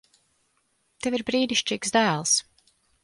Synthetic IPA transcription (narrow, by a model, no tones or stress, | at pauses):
t̪eviɾbɾiːd̪iʃt͡ʃiːksd̪æːlˠs